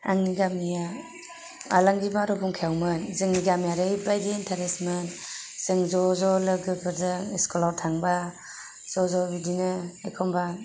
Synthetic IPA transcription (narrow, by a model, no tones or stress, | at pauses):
a̰ŋniɡamija | a̰laŋɡibaɾɔbuŋkʰejawmɯnzɯŋniɡamijaɾɯibajdeːntʰaɾesmɯnz̥ɯŋzɔzɔlɯɡɯbɯdɯeskɔlaɾtʰaŋba | z̥ɔzɔbidinɯekʰɔmba